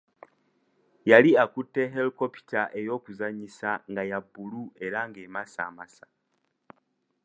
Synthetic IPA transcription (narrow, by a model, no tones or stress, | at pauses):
jaliakutːeɦelkopi̥taʔejo̞kuzaɲisaŋɡajabulue̞ɾaŋɡemasa̰masḁ